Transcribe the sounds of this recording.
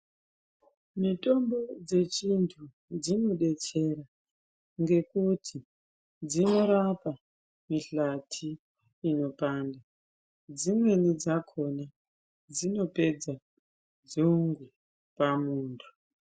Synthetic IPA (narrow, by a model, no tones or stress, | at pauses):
mito̞mbo̞d͡ze̞t͡ʃintʰu | d͡zino̞ɗe̞t͡ʃe̞ɾa | ŋɡe̞kutʰi | d͡zino̞ɾapa | miɬatʰiː | no̞paːnda | d͡zimwe̞nid͡zakʰo̞na | d͡zino̞pe̞d͡za | d͡zuŋɡu | pamuːntʰu̥